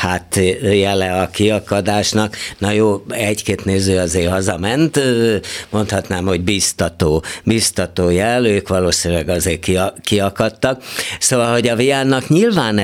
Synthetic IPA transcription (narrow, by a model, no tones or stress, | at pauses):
hat̪jɛlɛɒkiɒkɒd̪aːʃnɒknɒjoːɛckeːt̪neːzøːɒzeːrhɒzɒmɛnt̪ | mo̞nt̪hɒt̪naːmho̞ɟbist̪ɒt̪oːbist̪ɒt̪oːjɛløːkʋɒloːsinylɛɡɒzeːrkikiɒkɒt̪ːɒk̚soːvɒlho̞ɟɒvijaːnːɒkɲilvaːn